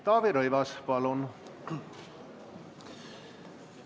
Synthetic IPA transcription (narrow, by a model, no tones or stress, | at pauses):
t̪ɑːʋeɾojʋɑspɑlon